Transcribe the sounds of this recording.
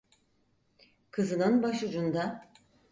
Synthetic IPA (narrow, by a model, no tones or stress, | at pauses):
kʰɯzɯnɯnbaʃud͡ʒund̪a